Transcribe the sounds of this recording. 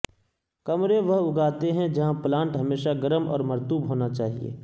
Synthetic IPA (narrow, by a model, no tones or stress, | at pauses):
kɐmɾeʋɐɦʊɡaːt̪eɦɛ̃d͡ʒɐɦãplãːɳʈɦɐmeːʃaɡɐɾəmɔ̰ːɾmɐɾt̪uːbɦoːnat͡ʃaːɦiḛː